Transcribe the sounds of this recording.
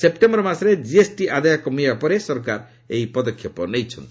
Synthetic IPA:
sepʈembɾɔmasɾed͡ʒiesʈiʔad̪ajɔkɔmibapɔɾesɔɾkaɾ | ejpɔd̪ɔkʰjɔpɔnejt͡ʃʰɔnt̪

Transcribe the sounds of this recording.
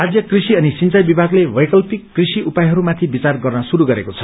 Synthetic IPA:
rad͡zjʌkrisiʌnisint͡sajbibʱaɡlebʌjkʌlpikːrisiupajɦʌɾumat̪ʰibit͡sarɡʌrnʌsuɾuɡʌɾekot͡sʰʌ̥

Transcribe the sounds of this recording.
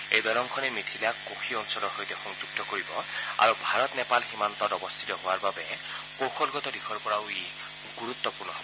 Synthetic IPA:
ḛjd̪aɾɔŋkʰɔnemit̪ʰilakokʰiɔnusɔlɔɾɦojt̪exɔŋd͡ʒuɡ̚t̪ɔkɔɾibɔ | a̰ɾubʱaɾɔt̪nepalhimant̪ɔɾɔbɔst̪ʰi̥t̪ɔɦoaɾbabe | pokʰɔlɡɔt̪ɔd̪ikʰɔɾpɔɽawi | ɡuɾut̪ːɔpuɾnɔ

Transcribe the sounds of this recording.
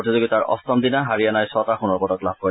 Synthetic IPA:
otizoɡitaɹʔɔ̰st̪ɔmd̪inaɦaɹijanajsɔtaxunɔɹbɔtɔklab̚kɔ

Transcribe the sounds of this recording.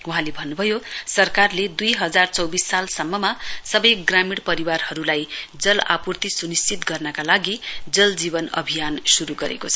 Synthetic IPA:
uɦãlebʱʌnːubʱʌjosʌrkarled̪ujɦʌd͡zart͡sʌwbisːalsʌmːʌmasʌbʌjɡramiɽpʌɾiwarhʌɾulajd͡zʌla̰purt̪isunist͡sit̪ɡʌrnʌkalaɡid͡zʌld͡zibʌnʌ̰bʱijansuɾuɡʌɾḛkot͡sʰʌ

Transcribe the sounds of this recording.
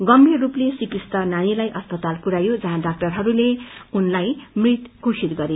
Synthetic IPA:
ɡʌmberuplesipist̪ʌnanilajʔʌspʌt̪alkuɾajod͡zʌɦãɖak̚ʈʌrɦʌɾuleunlajmrit̪kusid̪ɡʌɾe

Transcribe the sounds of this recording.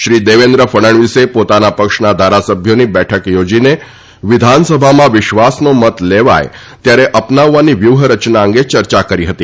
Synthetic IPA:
ɕɾiːd̪eʋend̪ɾəfəɽ̃əɳʋisepot̪anapəkʂnad̪ʱaɾasəbʱjoniːbæʈʰəkjod͡ʑine | ʋid̪ʱansəbʱamaʋiɕʋasnomət̪leʋa̰j | t̪jaɾeʔəpnaʋːaniːʋjuʋɦəɾət͡ɕnaəŋɡet͡ɕəɾt͡ɕakəɾiːɦət̪iː

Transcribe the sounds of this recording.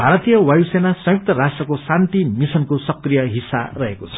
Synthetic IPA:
bʱaɾʌt̪ijʌwajusenasʌ̃juk̚t̪ʌɾasʈrʌkosant̪imisʌnkosʌkrijʌɦisa̰rʌɦekot͡sʰʌ̥

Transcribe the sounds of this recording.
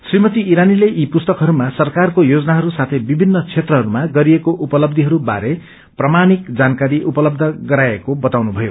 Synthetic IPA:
srimʌt̪iːɾanileʔipust̪ʌkɦʌɾumasʌrkarkojod͡zʌnaɦʌɾusat̪ʰʌjbibʱinːʌt͡sʰet̪rʌɦʌɾumaɡʌɾiekoʔupʌlʌb̚d̪ʱiɦʌɾuba̰ɾe | prʌmanikd͡zankaɾiʔupʌlʌb̚d̪ʱʌɡʌɾaekobʌt̪awnubʱʌjo

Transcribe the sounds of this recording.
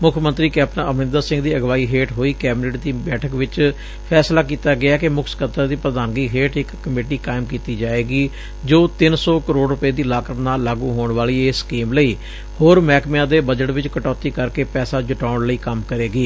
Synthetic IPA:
mʊkʰmə̃nt̪ɾiːkɛːpnaːʔəmnɪ̃nd̪əɾsɪ̃ŋɡd̪iːəɡʋaːiːɦeːʈɦoːiːkɛːbneːʈd̪iːbɛːʈʰəkʋɪt͡ʃ | pʰɛːslaːkiːt̪aːɡɪaːkɪmʊkʰsə̥kət̪əɾd̪iːpɾəd̪ãːŋɡiːɦeːʈɪkːəmeːʈiːkaːɪmkiːt̪iːd͡ʒaːeːɡiː | d͡ʒoːt̪ɪnsɔːkəɾoːɖɾʊpeːd̪iːlaːkət̪naːlːaːɡũːɦoːɳʋaːliːeːskiːmləiː | hoːɾmɛːkmjãːd̪eːbəd͡ʒəʈʋɪt͡ʃkəʈɔːt̪iːkəɾkeːpɛːsaːd͡ʒʊʈaːʊɳləiːkəmkəɾeːɡiː

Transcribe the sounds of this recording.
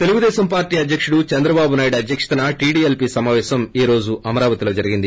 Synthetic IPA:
t̪e̞luɡud̪ɛːsɐmpaːɾʈiːɐd̪ʱjɐkʂuɽut͡ʃɛnd̪ɾɐbaːbunaːjiɽɐd̪ʱjɐkʂɐ̥t̪ɐnɐʈiːɽiːelpisɐmaːʋɛːsɐmiːɾo̞ːd͡ʒuʔɐmɐɾaːʋɐt̪ilo̞ːd͡ʒɐɾiɡind̪i

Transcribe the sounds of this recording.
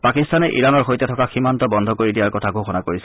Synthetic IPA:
pakistanɛʔḭɹanɔɹxojtɛtʰɔkaximantɔbɔndʱɔkoɹidijaɹkɔtʰaɡʱoxɔnakoɹis

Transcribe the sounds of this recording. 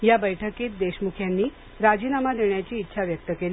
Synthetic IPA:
jabəjʈʰəkiːt̪̚d̪eɕmukʰjanːiː | ɾad͡ʑiːnamad̪ʱeɳjat͡ɕiːt̪ːɕʰaʋjək̚t̪əkel

